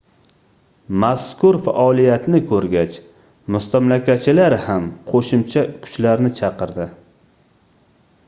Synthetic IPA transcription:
maskʰʊɾfa̰ʔɒlijat̪nɪkʰɵɾɡʲat͡ʃ | mʊst̪amlakʲat͡ʃʰɪlaɾhamqʰoʃɪmt͡ʃʰakʰʊ̥t͡ʃlaɾnɪt͡ʃʰɑqɨɾd̪ɪ

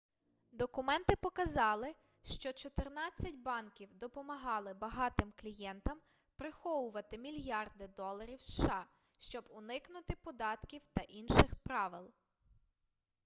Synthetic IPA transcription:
d̪ɔkʊmɛnt̪ɪpɔkɐzɑlˠɪ | ʃt͡ʃɔt͡ʃɔt̪ɪrnɑt͡sʲːɐtʲbɑnkʲiwd̪ɔpɔmɐɦɑlˠɪbɐɦɑt̪ɪmklʲijɛnt̪ɐm | pɾɪxɔwʊʋɐt̪ɪmʲilʲjɑrd̪ɪd̪ɔlˠɐɾʲiwsʃɑ | ʃt͡ʃɔbʊnɪknʊt̪ɪpɔd̪ɑt̪kʲiwt̪ɐʔinʃɪxpɾɑʋɪlˠ

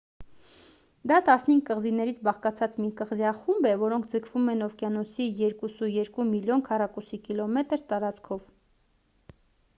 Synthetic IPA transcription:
d̪ɑt̪ɑsnhiŋɡkəʁzinɛɾit͡sʰbɑχkɑt͡sʰɑt͡smikəʁzjɑχumbɛvɔɾɔŋkʰd͡zəkʰvumɛnɔvkjɑnɔsijɛɾkusujɛɾkumiljɔnkʰɑrɑkusikilɔmɛt̪əɾt̪ɑɾɑt͡skʰɔv

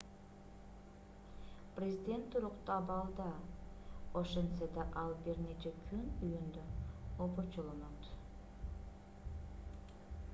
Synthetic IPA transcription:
prʲezʲid̪ʲe̞nt̪ʰːuɾuqt̪ɑbɑlˠd̪ɑ | oʃensed̪ɑʔɑlˠbiɾnet͡ʃekʲʰynyjynd̪øobot͡ʃolˠonot̪

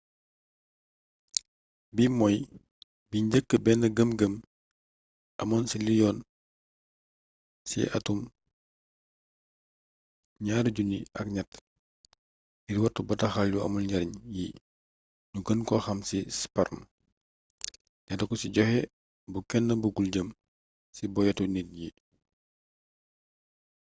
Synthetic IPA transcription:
bimɔj | biɲɟəkːəbɛnːəɡəmɡəm | ʔɐmɔnsilijɔn | sḭʔɐ̰tum | ɲaːɾɟuniɐk̚ɲɐt | jiɾiwɐtːubɐtɐxaljuɐ̰mɔnɟɐɾɲji | ɲuɡənkɔxɐmsispɐɾm | ɲɐtdɐkɔsiɟɔhɛ | bukɛnːəbuɡulɟəm | sibɔjɛtunit̚ji

